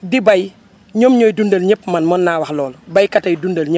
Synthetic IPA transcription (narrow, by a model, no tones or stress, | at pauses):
dibɐj | ɲoːmɲɔːjdundɐlɲɛpːmɐnmɔnːaːwɐxlɔːlbɐjkɐtɐjdundɐlɲə